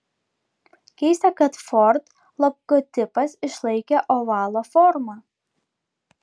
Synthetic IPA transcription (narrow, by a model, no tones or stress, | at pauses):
kʲɛɪsʲt̪ʲɛkɐt̪fɔɾt̪ | lˠɔɡot̪ʲɪpɐsɪʃlˠɐɪkʲeʔoʋɑːlˠoːfɔɾmɑ